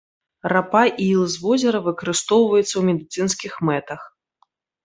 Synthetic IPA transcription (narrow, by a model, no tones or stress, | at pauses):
rapaʔilˠzvɔzʲɛɾɐvɨkɐɾɨst̪ɔwvɐjɛt̪sːɐwmʲɛd̪ɨt̪sɨnskʲixmɛt̪ɐx